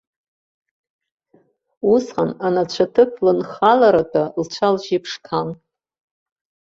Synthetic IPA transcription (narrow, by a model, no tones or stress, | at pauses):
usqananat͡ɕʷʰatʰɨpʷʰlɨnχalaɾatʰʼalt͡ʃʷʰalʒipʰʂkʰan